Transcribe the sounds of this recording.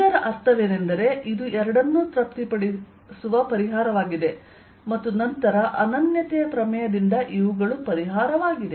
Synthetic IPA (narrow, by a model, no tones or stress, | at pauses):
ɐɾɐʔɐst̪ʰɐʋeːne̞nd̪ɐɾe̞ʔid̪uɛɾɐɽɐnːusɾɐp̚t̪ipɐɽi | suʋɐpɐɾiɦaːɾɐʋaːɡid̪e̞ | mɐt̪ːunɐnt̪ɐɾɐʔɐnɐnjɐt̪ɛjɐpɾɐmɐjɐd̪ind̪ɐʔiʋuɡɐɭupɐɾiɦaːɾɐʋaːɡid̪e